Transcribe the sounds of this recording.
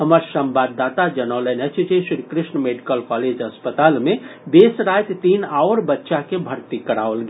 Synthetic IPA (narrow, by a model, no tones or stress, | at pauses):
ɦəməɾsə̃mbaːd̪ːaːt̪ad͡ʒənɔlenət͡ʃʰd͡ʒeʃɾikɾɪʃɳəmeːɖikəlkɔːleːd͡ʒəspət̪aːlmẽd̪eːsɾaːt̪t̪iːnaʊɾbətːʃakebʱəɾt̪ikəɾaːʋəlɡeː